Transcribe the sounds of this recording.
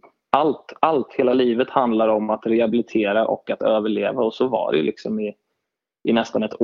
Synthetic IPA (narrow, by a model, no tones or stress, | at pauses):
alt̪alt̪heːlaliːvət̪hand̪laɾɔmat̪ɾɛhabɪlɪt̪ʰeːɾaʔɔ̰kːat̪øːvəɭeːvaɔsɔva̰ɖɛ̰jlɪksɔmɪ | ʔɪnɛst̪anɛt̪ʰ